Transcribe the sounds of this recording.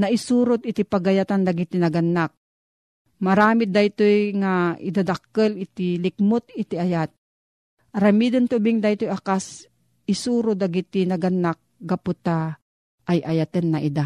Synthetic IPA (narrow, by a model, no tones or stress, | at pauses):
nɐʔɪsuːɾʊt̪̚ɪt̪ipɐɡɐjat̪and̪aɡɪt̪inɐɡɐnːak̚ | mɐɾaːmɪd̪ajt̪ojŋaɪ̰d̪ad̪ak̚ːəlɪt̪ilɪk̚mʊt̪ɪt̪iajat̪̚ | ʔɐɾɐmid̪ɐnt̪ʊbɪŋd̪ajt̪ojakas | ɪsuːɾʊd̪aɡit̪inɐɡɐnːak̚ɡapʊt̪a | ʔːjʔɐjat̪ənːɐʔid̪a